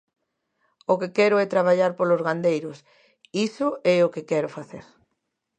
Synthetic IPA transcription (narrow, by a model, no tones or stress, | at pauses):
okekɛɾʊɛt̪ɾaβ̞aʎaɾpolozɣand̪ejɾʊs | isʊʔɛʊkɪkɛɾʊfaθḛɾ